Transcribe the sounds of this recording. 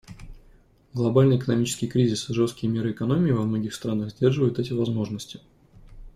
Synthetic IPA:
ɡlˠɐbalʲnəjɪkənɐmʲit͡ɕɪskʲɪjkɾʲizʲɪsɨʐo̞st̪̚kʲɪjəmʲe̞ɾɨɪkɐnomʲɪːvɐmno̞ɡʲɪxst̪ɾanəɣzʲdʲe̞rʐɨvəjʊt̪ɛtʲɪvɐzmo̞ʐnəsʲtʲɪ̥

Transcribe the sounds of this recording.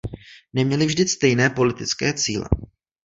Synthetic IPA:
nɛmɲɛlɪvʒdɪst̪ɛjnɛːpo̞lɪt̪ɪt͡skɛːt͡siːlɛ̰

